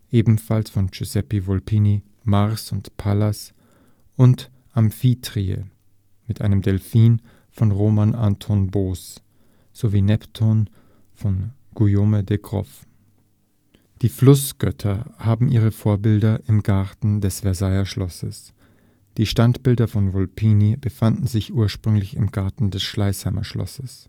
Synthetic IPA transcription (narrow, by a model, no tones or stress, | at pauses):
ʔeːbm̩falsfɔnt͡ʃuzɛpivɔlpʰiːni | maʁsʊntpʰalas | ʔʊnt | ʔamfiːtʁ̥iə̰ | mɪtʔa̰ɪnəmdɛlfiːn | fɔnʁoːmanʔantʰɔnboːs | z̥oviːnɛptʰon | fɔn | ɡ̥ujoːmədɛɡʁɔ̰f | d̥iːflʊsɡ̥œtʰɐhaːbm̩ʔiːʁ̞əfoːɐbɪldɐʔɪmɡaɐtn̩dɛsv̥ɛɐzaɪɐʃlɔsəs | d̥iːʃtantb̥ɪldɐfɔnvɔlpʰiːnib̥əfandn̩zɪçʔuːɐʃpʁ̥ʏŋlɪçɪmɡaɐtn̩dɛsʃlaɪshaɪmɐʃlɔ̰səs